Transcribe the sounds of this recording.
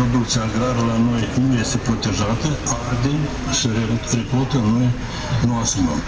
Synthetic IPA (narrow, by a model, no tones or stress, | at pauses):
pɾo̞d̪ukt̪siaɡɾaɾəlano̞jnuje̞st̪e̞pɾo̞t̪e̞ʒat̪əard̪e | səerepolt̪ənue | nuasuməm